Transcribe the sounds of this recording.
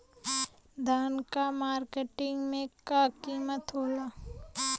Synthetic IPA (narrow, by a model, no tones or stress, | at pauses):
d̪ʱaːnkamaːɾkeʈɪ̃ŋɡmẽkakiːmət̪ɦoːlaː